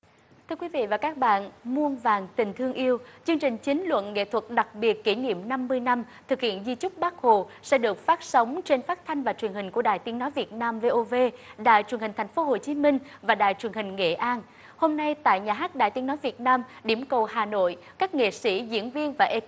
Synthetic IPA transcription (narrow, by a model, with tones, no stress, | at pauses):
t̪ʰɨ˧əkwi˨˦vḭ˧˨vaː˨˩kaː˦˥k̚ɓa̰ː˧˨nmu˧ənvaː˨˩nt̪ï˨˩ŋ̟t̪ʰɨ˧əŋʔi˧əwt͡ɕɨ˧əŋt͡ɕï˨˩ŋ̟t͡ɕï˨˦ŋ̟lwə̰˧˨nŋḛ˧˨t̪ʰwə˨˩t̚ɗa˨˩k̚ɓi˨˩ət̚ki˧˩ŋḭ˧˨əmna˧mːɨ˧əjna˧mt̪ʰɨ˨˩k̚hḭ˧˨ənzi˧t͡ɕʊ˦˥k͡p̚ɓaː˦˥k̚ho˧˨sɛ̰˧˥ɗɨ˨˩ək̚faː˦˥t̚sə˨˦wŋ͡mt͡ɕe˧nfaː˦˥t̚t̪ʰa˧jŋ̟vaː˨˩t͡ɕwi˨˩ənhï˨˩ŋ̟ku˧˩əɗaː˧˨jt̪i˨˦ŋnɔ˨˦jvi˨˩ət̚naː˧mve˧ʔo˧ve˧ɗa̰ː˧˨jt͡ɕwnhi˨˩ŋ̟t̪ʰjŋ̟fo˨˦ɦo˨˩t͡ɕi˨˦mï˧ŋ̟vaː˨˩ɗa̰ː˧˨jt͡ɕwi˨˩ənhï˨˩ŋ̟ŋḛ˧˨ʔaː˧n | ho˧mna˧jt̪a̰ː˧˨jɲaː˨˩ɦaː˦˥k̚ɗa̰ː˧˨jt̪i˨˦ənɔ˨˦jvi˨˩ət̚naː˧mɗi˧˩əmkə˨˩wɦaː˨˩no̰˧˨j | kaː˦˥k̚ŋḛ˧˨sḭ˧˥zḭ˧˥ənvi˧ənvaː˨˩ʔe˧